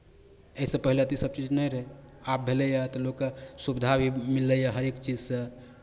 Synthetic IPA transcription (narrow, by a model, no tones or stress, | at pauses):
eisẽpəɦilet̪isəb̚t͡ʃid͡ʒnɛjɾəɦeap̚bʱelejat̪ɔlokəsubid̪ʱabʱimilːəjaɦəɾekt͡ʃid͡ʒsə̃